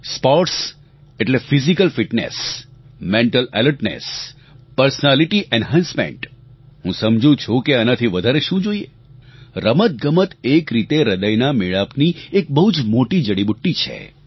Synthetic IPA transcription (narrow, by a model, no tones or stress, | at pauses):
spɔɾʈs | eʈlefizikəlfiʈnḛsmẽɳʈəlɛ̰ləɾʈnḛs | pəɾsənaliʈiʔɛnɦãnsmḛ̃ɳʈ | ɦũsəmd͡ʒũt͡ʃʰũkeənat̪ʰiʋəd̪ʱaɾeʃũd͡ʒoie | ɾəmət̪̚ɡəmət̪ekɾit̪eɾəd̪əjnameɭapniek̚bəɦud͡ʒmoʈid͡ʒəɽibuʈːit͡ʃʰḛ